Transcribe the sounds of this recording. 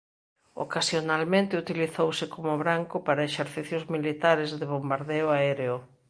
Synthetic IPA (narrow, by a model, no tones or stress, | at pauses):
o̰kasjonalmẽnt̪ɪut̪iliθowsɪkomʊβɾaŋkʊpaɾɐeʃeɾθiθjʊzmilit̪aɾɪzðeβombaɾðeʊaɛɾeʊ